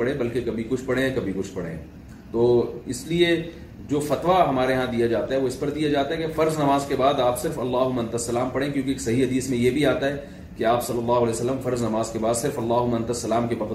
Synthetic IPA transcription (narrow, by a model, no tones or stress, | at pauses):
ɐɽẽbɐlkekɐbʱikʊt͡ʃʰpɐɽẽɛ̃kɐbʱikʊt͡ʃʰpɐɽḛ̃ | t̪oːɪslie | d͡ʒoːfɐt̪ʋaɦɐmaːɾeɦãd̪ijad͡ʒaːt̪aɦɛʋoɪspɐɾd̪ijad͡ʒaːt̪aɦɛkefɐɾznɐmaːzkebaːd̪aːpsɪɾfɐlːaːɦʊmɐ̃nt̪ɐsːɐlaːmpɐɽẽkjõːkeːksɐɦiɦɐd̪iːsmẽjebʱiaːt̪aɦɛː | keaːpsɐlːɐlːaːɦʊɐlɛːjsɐlːəmfɐɾznɐmaːzkebaːd̪sɪɾfɐlːaːɦʊmɐ̃nt̪ɐsːɐlaːmkebɐq